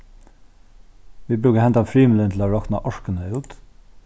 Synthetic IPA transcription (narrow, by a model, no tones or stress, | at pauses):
ʋiːbɾʉːkahɛnt̪afɹiːmɪləntʰlaɹɔkna̰ʔɔɹkənəʉːt̪